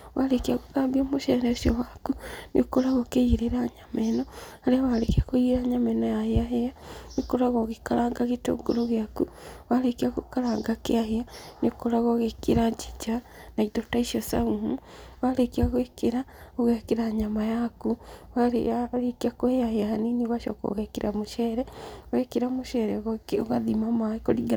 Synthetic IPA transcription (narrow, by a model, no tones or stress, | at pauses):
waɾekiaɣabiomoʃɛɾɛsiowakunʔḭkoɾaɣokejiɾeɾaɲamenoaleawaɾekiakojiɾaɲamɛnojaheaɦeanikoɾaɣoɣekalaːŋɡaɣeto̰ŋɡo̰ɾoɣjakuwaɾekiakukalaːŋɡakḛaheanikoɾaɣoɣekeɾaɲd͡ʒid͡ʒa | naidotaiʃiosa̰ɣuɦu | walekiaɣwekeɾaoɣɛkeɾaɲamajakuwaɾaɾekiakoheaheahaniniɣwaʃɔ̰ko̰ɣɛkeɾamoʃɛɾɛoɣɛkeɾamoʃɛɾɛɣoɣaðimamakoɾiɡa